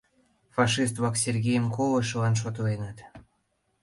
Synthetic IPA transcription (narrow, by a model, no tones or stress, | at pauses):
fɑʃist̪βɑksʲerɣʲejəmkoləʃəlɑnʃ̬ot̪əlenɑt̪